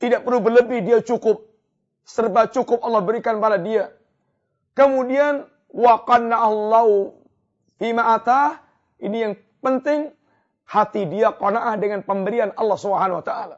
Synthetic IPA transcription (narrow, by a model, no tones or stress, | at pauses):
t̪idaʔpərlubərləbɪhdiat͡ʃukʊp̚ | sərbat͡ʃukʊp̚ʔɑlːɑhbəɾikanpaɾadia | kəmudian | waqadnaɦlːaɦu | fimaʔat̪a | inijaŋ | pənt̪ɪŋ | hat̪idiakɔnaʔahdəŋanpəmbəɾianɑlːɑhsubəɦanawat̪aʔala